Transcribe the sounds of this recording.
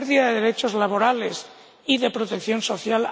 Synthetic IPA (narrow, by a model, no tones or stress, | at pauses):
ɾðiaðeðe̞ɾe̞t͡ʃo̞zlaβ̞o̞ɾale̞s | iðe̞pɾot̪ekθjo̞nso̞θjal